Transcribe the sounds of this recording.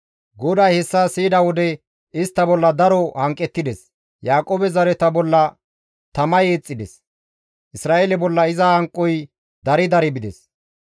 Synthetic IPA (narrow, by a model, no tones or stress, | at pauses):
ɡɔd̪aːjhɛsːasiːd̪ɐwɔd̪ɛ | ɪst̪ːɐbɔlːɐd̪ɐɾɔhɐŋkʼːɛt̪ːɪd̪ɛs | jaːkʼoːbɛzɐɾɛt̪ɐbɔlːɐ | t̪ɐmɐjeːt͡sʼːɪd̪ɛs | ʔɪsɾaːʔelɛbɔlːɐɪzɐhɐŋkʼːɔj | d̪ɐɾɪd̪ɐɾɛbɪd̪ɛs